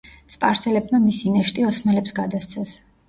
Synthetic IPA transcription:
spʼaɾsɛlɛb̚mamisinɛʃt̪ʼiɔsmɛlɛpsɡad̪ast̪sʰɛs

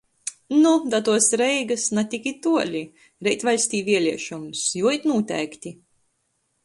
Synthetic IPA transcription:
nud̪at̪uɔsɾɛjɡasnat̪ʲikʲit̪uɔlʲi | ɾɛjt̪ʲvalʲsʲt̪ʲiːvʲiɛlʲiɛʃumsjuɔit̪nuːt̪ʲɛ̰ːkt̪ʲi

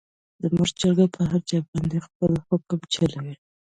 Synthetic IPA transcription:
d̪̥əmuʐd͡ʒəɾɡapʰəɦaɾd͡ʒɑb̚bɑnd̪expəlxokəmt͡ʃalawi

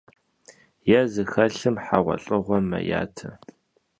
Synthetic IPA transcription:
jazɨxɐɬɨmħaʁʷɔɬʼɨʁʷɔmɐ̰ja̰ːtʰɐ

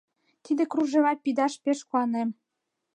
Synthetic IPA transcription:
t̪id̪ĕkruʒĕβɑl̚pid̪ɑʃpeʃkuɑnem

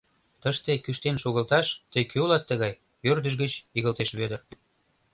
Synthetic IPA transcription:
t̪əʃt̪ekyʃt̪enʃoɣəlt̪ɑʃt̪əjkʰøulɑt̪ːəɣɑj | ørd̪əʃ̬ɣət͡ɕiɣəlt̪eʃβød̪ər

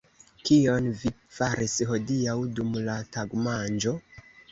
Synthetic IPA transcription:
kio̞nvi | faɾisɦo̞diawdumlataɡmand͡ʒo̞

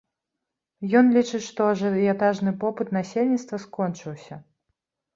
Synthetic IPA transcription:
jɔnlʲit͡ʂɨt͡sʲʂt̪ɔʐɛat̪aʐnɨpɔpɨt̪nasʲelʲnʲit̪st̪vɐskɔnt͡ʂɨwsʲɐ

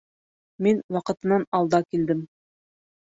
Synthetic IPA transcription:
minwɑqɤ̆t̪ɤ̆nɑnɑlˠd̪ɑkild̪ɘm

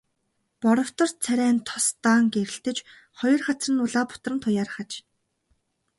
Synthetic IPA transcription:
pɔɾɞ̆w̥t̪ɞ̆rt͡sʰæɾʲæːnt̪ʰɔst̪aːŋɡeɾɘ̆ɬt̪ɘ̆t͡ɕ | χɔjɞ̆rχat͡srə̆nʊɮaːpʊ̥t̪̆rə̆nt̪ʰʊjaːrχat͡ɕ

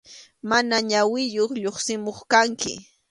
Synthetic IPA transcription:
manaɲawɪjoχʎoχsɪmoχkaŋkɪ̰

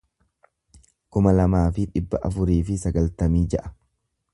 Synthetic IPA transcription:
kʊmɐlɐmaːfɪᶑɪbːɐʔɐ̰fʊɾiːfɪsɐɡɐlt̪ɐmiːd͡ʒɛʔɐ̥

